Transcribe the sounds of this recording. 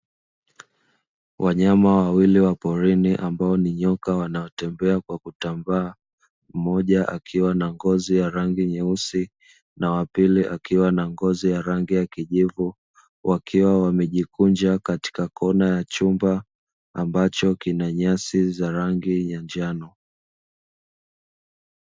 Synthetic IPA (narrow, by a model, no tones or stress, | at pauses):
wʔaɲamawawiliwapɔɾiniʔambaɔniɲɔkawanaɔtɛmbɛakwakutambaː | m̩mɔʄaʔakʰiwanaŋɡɔzijaɾaŋɡiɲɛusi | nawapiliʔakiwanaŋɡɔzijaɾaŋɡijakiʄivu | wʔakʰiwawamɛʄikund͡ʒakati̥kakʰɔnajat͡ʃumbaː | mbat͡ʃɔkinaɲasizaɾaŋɡiɲand͡ʒanɔ